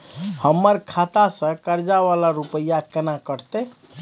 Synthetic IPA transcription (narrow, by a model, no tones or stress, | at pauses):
həmːəɾkʰat̪asə̃kəɾd͡ʒaβalaɾupəjakenakəɾ̤t̪e